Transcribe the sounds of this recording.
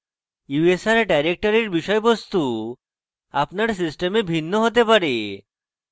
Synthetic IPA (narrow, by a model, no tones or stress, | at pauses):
juesaɾɖajɾek̚ʈɔɾiɾbiʃɔjebost̪u | apnaɾsisʈemebʱinːoɦot̪̬epaɾe